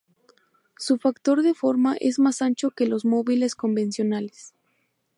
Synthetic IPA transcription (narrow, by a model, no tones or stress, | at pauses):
sufakt̪o̞ɾðe̞fo̞ɾmaʔe̞zmasant͡ʃo̞ke̞lo̞zmo̞βile̞sko̞mbẽ̞nsjo̞nales